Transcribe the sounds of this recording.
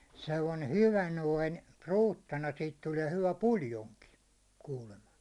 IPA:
selːɑne hyʋæ noin ruːtːɑnɑ siːt tuliɛ hyʋæ puljoŋki kuːlemɑ

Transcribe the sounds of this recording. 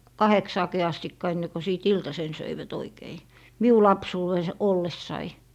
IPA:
kɑheksɑːki ɑstikːɑ enːe ko siˑt iltɑsen søiʋæt oikei miu lɑpsuːwes olːesːɑi

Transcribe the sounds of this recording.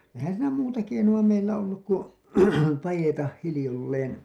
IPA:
ehæn siːnæ muːtɑ keinuɑ meilːæ olːuk ku pɑjetɑh hilĭjolːeːn

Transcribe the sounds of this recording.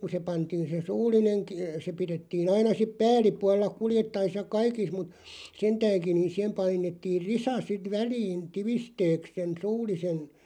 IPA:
ku se pɑntiːn̞ se suːlˑineŋ k se piɾetːiːn ɑinɑ sip pæːlˑipuɑlːɑ kuljetːɑis jɑ kɑikis mut sentæːŋkin̆ ni sihem pɑinetːiːr risɑ sit ʋæliːn tiʋisteːks sen suːlˑisen

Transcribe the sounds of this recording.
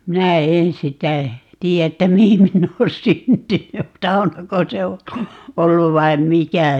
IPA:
minæ en sitæ tiː etːæ mihin minː oːn syntyny sɑunɑko se o olːu ʋɑim mikæ

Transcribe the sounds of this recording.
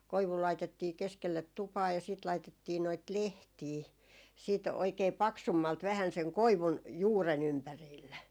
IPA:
koiʋu lɑitetːiː keskelːet tupɑː jɑ siːt lɑitetːiː noit lehtiː siːt oikeː pɑksumːɑlt ʋæhæn seŋ koiʋun juːren ympæriːlːe

